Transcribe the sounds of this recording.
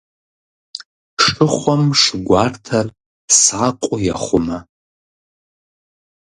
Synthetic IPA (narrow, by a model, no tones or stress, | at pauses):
ʂɨχʷɔmʂɡʷartʰar | sakʷʼʊjaχʷʊma